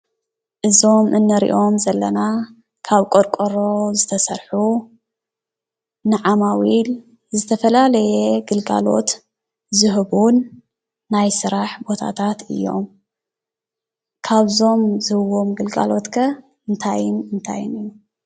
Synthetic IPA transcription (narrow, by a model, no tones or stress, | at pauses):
ʔɨzo̞mʔɨnːɨɾḭʔo̞mzɐlːɐna | kʰaβkʼoɾkʼoɾo̞zɨt̪ʰɐsɐɾħu | nɨʕamawil | zɨt̪ʰɐfɐlalɐjeɡɨlɡa̰lo̞̰t̪ | zɨɦɨβunː | ajsɨɾaħbo̞t̪ʰa̰t̪ʰat̪ɨ̰jːo̞̰m | kʰaβzo̞mzɨhɨβo̞mɡɨlɡa̰lo̞t̪kʰɐ | ɨnt̪ʰajɪnɨnt̪ʰa̰jɨnɨjːu